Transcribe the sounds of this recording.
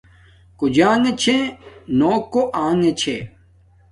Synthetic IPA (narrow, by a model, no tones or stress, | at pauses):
kod͡ʑaːŋet͡ɕʰẽnoːkːoʔaːŋet͡ɕʰe